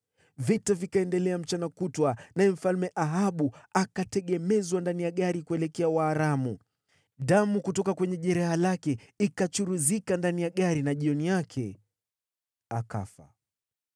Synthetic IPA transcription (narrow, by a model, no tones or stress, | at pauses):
vitavikaɛndɛlɛam̩t͡ʃanakutwanajɛm̩falmɛʔaɦaɓuakatɛɠɛmɛzwandanijaɠaɾikuɛlɛkɛawaːɾamu | ɗamukutɔkakwɛɲɛʄɛɾɛhalakɛikat͡ʃuɾuzikandanijaɠaɾinaʄiɔnijakʰɛ̰ | aka̰fa̰